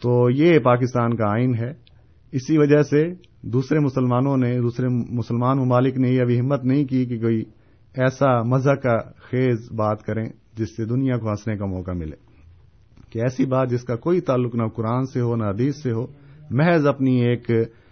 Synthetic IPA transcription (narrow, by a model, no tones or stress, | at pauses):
t̪oːjepaːk̬ɪst̪aːnkaaːɪnɦɛː | ɪsiʋɐd͡ʒəɦse | d̪uːsɾemʊsəlmaːnõned̪uːsɾemʊsəlmaːnmʊmaːlɪknejeɐbʱiɦɪmːət̪nɐɦĩkik̬ikoːi | ɛːsamɐzakaxeːzbaːt̪kɐɾẽ | d͡ʒɪsːed̪ʊnijakoɦɐ̃snekamɔːkamɪlḛː | kiɛːsibaːt̪̚d͡ʒɪskakoːit̪aːlːʊknɐkʊɾaːnseɦonɐɦɐd̪iːsːeɦoːmɛɦzɐpnieːk